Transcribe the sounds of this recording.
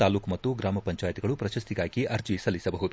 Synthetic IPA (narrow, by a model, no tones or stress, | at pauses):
aːluːkmɐt̪ːuɡɾaːmɐpɐɲt͡ʃaːjɐt̪iɡɐɭupɾɐʃɐst̪iɡaːɡiʔɐɾd͡ʒisɐlisɐbɐɦud̪u